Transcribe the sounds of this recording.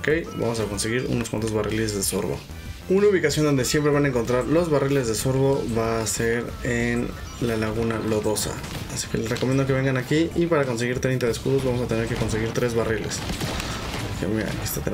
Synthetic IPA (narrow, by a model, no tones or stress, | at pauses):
ke̞jba̰mo̞sako̞nse̞ɣiɾṵnoskwa̰t̪o̞zβarʔilezðe̞so̞̰ɾβo̰ | unauβ̞ikasjo̞nd̪o̞nd̪e̞sje̞mpɾeβanaeŋko̞nt̪ɾaɾlo̞zβarile̞zðe̞so̞ɾβo̞βaːse̞ɾ | en | lalaɣunalo̞ðo̞sa̰ | asi̥kele̞srekomjend̪o̞ke̞βe̞ŋɡanakiʔipaɾako̞ns̬e̞ɣiɾt̪ɾent̪aðeskuðo̞zβamo̞s̬at̪e̞neɾke̞ko̞ns̬e̞ɣiɾt̪ɾe̞zβarile̞̰s | kemiɾa̰kest̪at̪e